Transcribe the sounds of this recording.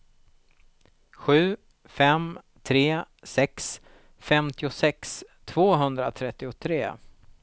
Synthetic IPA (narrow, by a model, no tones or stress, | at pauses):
ɧʉ̟ː | fɛm | t̪ʰɾeː | sɛks | fɛmt̪ɪʊsɛkst̪ʰv̥oːɦɵnd̪ɾa̰t̪ʰɾɛt̪ːɪʊt̪ʰɾeː